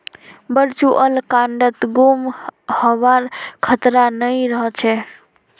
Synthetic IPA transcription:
bəɾt͡ʃuʔəlkãɳɖət̪ɡumhəbaɾkʰət̪ɾanəjɾəɦət͡ʃʰɛ

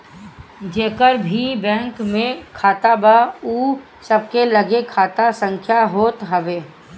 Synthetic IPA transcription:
d͡ʒeːkəɾbʱibɛ̃ːŋkmẽkʰaːt̪abauː | səb̚kelɐɡekʰaːt̪asə̃ŋkʰjaɦoːt̪ɦɐʋeː

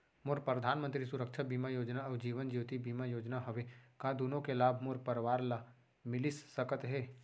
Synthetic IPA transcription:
moːɾpɾəd̪ʱaːnmə̃nt̪ɾisʊɾəkʃʰabiːmajoːd͡ʒnad͡ʒiːʋənd͡ʒiːt̪ibiːmajoːd͡ʒnaɦɐʋekad̪uːnõkelaːbʱmoːɾpəɾʋaːɾla | mɪlɪsːəkət̪ɦɛː

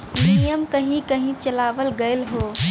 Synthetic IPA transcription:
mijəmkəɦĩkəɦĩt͡ʃəlabəlɡəelɦo

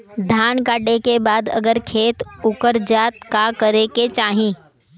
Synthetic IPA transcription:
d̪ʱaːnkaːʈekebaːd̪ɐ̰ɡəɾkʰeːt̪ʊkəɾd͡ʒaːt̪kakəɾeket͡ʃaːɦĩː

